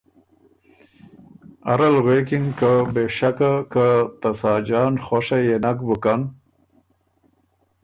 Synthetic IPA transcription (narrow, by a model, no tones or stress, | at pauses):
a̰ɾalɣwekɪŋkabeʂakakat̪asɑːd͡ʒɑːnχoʂajenakbukan